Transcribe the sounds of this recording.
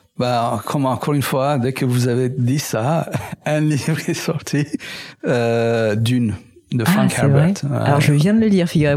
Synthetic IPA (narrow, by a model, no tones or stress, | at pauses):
bãkʰɔmɑ̃ɑ̃kʰɔʁynfwad̪ɛkʰəvuzaved̪isaɛ̃livʁɛsɔʁt̪ʰi | ød̪yn | d̪əfʁɑ̃kɛɛvbɛʁɛʁt̪a̰lɔʁʒəvjɛ̃d̪ələliʁfiɡyʁe